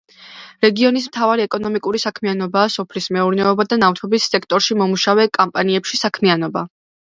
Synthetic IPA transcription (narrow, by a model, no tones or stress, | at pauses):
ɾɛɡiɔnismt̪ʰavaɾiɛkʼɔnɔmikʼuɾisakʰmianɔbaːsɔpʰlismɛuɾnɛɔbad̪anaft̪ʰɔbisːɛkʰt̪ʼɔɾʃimɔmuʃavɛkʼampʼaniɛpʃisakʰmianɔba